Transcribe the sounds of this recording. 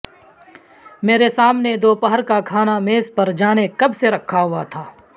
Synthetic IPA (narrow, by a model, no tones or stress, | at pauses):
meːɾesaːmned̪oːpəɦəɾkakʰaːnameːzpɐɾd͡ʒaːnekɐbseɾɐkʰːaɦʊat̪ʰaː